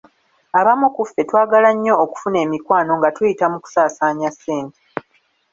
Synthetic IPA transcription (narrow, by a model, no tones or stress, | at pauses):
aβamukufːe̞twaːɡalaɲːo̞ːku̥fune̞ːmikwaːno̞ŋɡatujitamuku̥saːsaːɲasːeːnte